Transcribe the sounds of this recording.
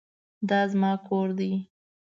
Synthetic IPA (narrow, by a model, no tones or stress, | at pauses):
d̪ɑzmɑkʰoɾd̪i